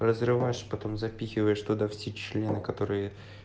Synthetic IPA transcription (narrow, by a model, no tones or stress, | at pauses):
rəzrɨvajɪʂpɐt̪o̞mzɐpʲixʲɪvəjɪʂt̪ʊd̪afsʲet͡ɕlʲe̞nɨkɐt̪o̞ɾɨjə